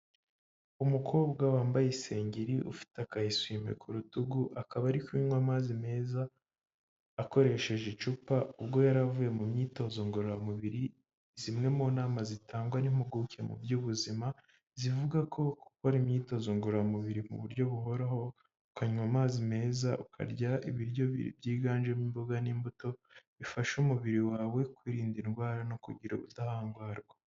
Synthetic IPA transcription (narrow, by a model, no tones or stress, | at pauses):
umukʰo̞ːbɡawaːmbajese̞ːɲɟiɾiʔṵfi̥takahiswime̞̰kʰuɾutuɡuʔakaβaɾikwiːɲwamaːzime̞ːza | ko̞ɾe̞ʃe̞ʒet͡ʃupaubɡo̞jaɾavuje̞mumɲiːto̞zoŋɡoɾoɾamuβiɾi | zimŋe̞moːnaːmazitʰaːŋɡwanimuɡukemṵbɟuːβuzima | zivuɡakʰo̞kukoɾimɲiːto̞zoŋɡoɾɾamuβiɾimṵβuɾɟo̞βuɦo̞ɾaho̞ | ukaɲumamaːzime̞ːzaukʰa̰ɾɟaḭβiɾjo̞βḭḭbjiːɡaːnd͡ʒemimboɡanimbuto̞βifaʃumuβiɾiwaːwe̞kwiːɾiːndinɡwaːɾano̞kṵɟiɾo̰βutahaːŋɡwaːɾɡwa